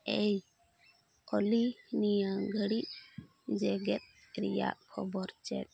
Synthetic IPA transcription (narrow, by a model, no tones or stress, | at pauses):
ej | olinijaɡʱəɽiʔ̚ | d͡ʒɛɡɛt̪̚ | ɾɛja̰ʔkʰɔbɔɾt͡ʃɛ̰t̪̚